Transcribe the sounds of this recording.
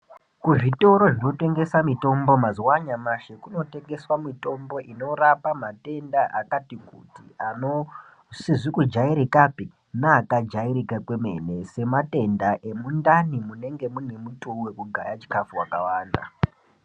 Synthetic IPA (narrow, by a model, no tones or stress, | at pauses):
kuʐito̞ɾo̞ʐino̞te̞ŋɡe̞samito̞mbo̞maziwaɲamaʃekuno̞te̞ŋɡe̞swamito̞mbo̞ʔino̞rapamate̞ndaʔakatikutiano | siʐikud͡ʒaiɾikapi | naːkad͡ʒaiɾikakweme̞̰ne̞se̞mate̞ndaʔe̞mundanimune̞ŋɡe̞mune̞mutuwe̞kuɡʱa̰jat͡ʃi̥kafuwakawaːnda̰